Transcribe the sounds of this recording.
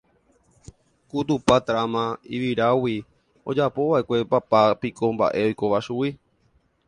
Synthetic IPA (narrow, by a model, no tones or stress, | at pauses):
kut̪upat̪ɾamãiʋiɾawi | od͡ʒapo̞ʋaʔe̞kʷe̞papapikʰo̞mba̰ʔe̞o̞jko̞ʋaʃuwi